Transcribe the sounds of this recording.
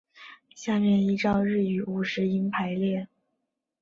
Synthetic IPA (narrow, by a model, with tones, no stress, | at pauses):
ɕja˥˧mjɛ˥˩ni˧˥ʈ͡ʂɑ˥˧ʊɻɻ̩˥˩y˨˩u˧˥˩ʂɻ̩˧˥i˧˥npʰa˧˥ɪljɛ˥˩